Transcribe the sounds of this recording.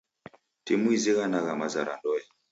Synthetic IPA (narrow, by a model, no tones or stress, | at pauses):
timuiziɣanaɣamaza̰ɾa̰ndɔjɛ